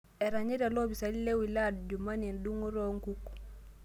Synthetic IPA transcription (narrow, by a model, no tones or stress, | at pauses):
eɾaɲiɾelobisalilewiladd͡ʒumaninduŋuɾoŋkuk